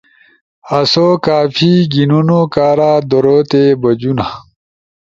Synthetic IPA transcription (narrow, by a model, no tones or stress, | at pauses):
ɐsoːkaːfʰiːɡinunokaːɾaːd̪oɾoːt̪ebɐd͡ʑuna